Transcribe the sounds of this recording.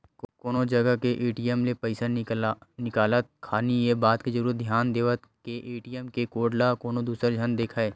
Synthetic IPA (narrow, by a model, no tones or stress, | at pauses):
kkoːnod͡ʒɐɡəkeʔeːʈijəmlepɐɪsanɪkaːlət̪̚kʰaːnijebaːt̪kezəɾuːɾət̪̚d̪ʱjaːnd̪eːʋət̪keʔeːʈijəmkekoːɖlakoːnod̪uːsəɾd͡ʒʱənd̪eːkʰaːeː